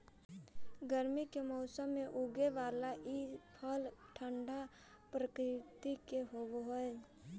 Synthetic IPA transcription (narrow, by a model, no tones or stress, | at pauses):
ɡəɾmikemɔːsəmːẽʔʊɡeʋaːlaʔipʰəlʈʰəɳɖa | pɾəkɾɪt̪ikeɦooɦoe